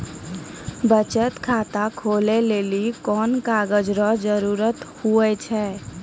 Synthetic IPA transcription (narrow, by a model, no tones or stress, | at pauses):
bət͡ʃət̪kʰaːt̪akʰolelelikɔːnkaːɡəd͡ʒɾɔd͡ʒəɾuːɾət̪huət͡ʃʰɛː